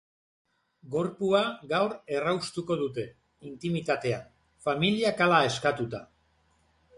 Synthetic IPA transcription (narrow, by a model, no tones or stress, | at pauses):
ɡo̞ɾpuaɡawɾe̞rawst̪uko̞ð̞ut̪e̞ | int̪imit̪at̪e̞a | familiakalae̞skat̪ut̪a